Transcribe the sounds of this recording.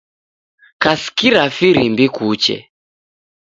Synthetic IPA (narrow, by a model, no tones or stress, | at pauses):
kasi̥kiɾafiɾimbikut͡ʃɛ̰